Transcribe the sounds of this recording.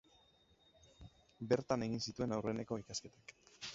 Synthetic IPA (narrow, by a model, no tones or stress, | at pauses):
be̞ɾt̪ane̞ɣ̞insit̪ue̞nawre̞ne̞ko̞ikaske̞t̪ḁk